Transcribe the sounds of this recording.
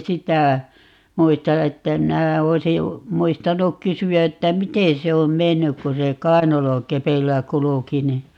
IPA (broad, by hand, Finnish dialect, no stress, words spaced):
sitæ muistɑ etːæ minæ oisi muistɑnuk kysyæ etːæ miten se om menːyk ku se kɑi̯nɑlokepeilːæ kuluki ni